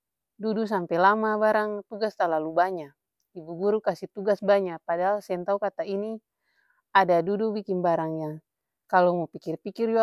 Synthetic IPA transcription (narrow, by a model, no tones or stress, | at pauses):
dudus̬ampɛlamabaɾaŋt̪uɡast̪alalubaɲa | ibuɡuɾukasit̪uɡasbaɲapadaɦalsɛnt̪aukat̪aini | adadudubikinbaɾaŋjaŋ | kalɔmɔpikirpikird͡ʒua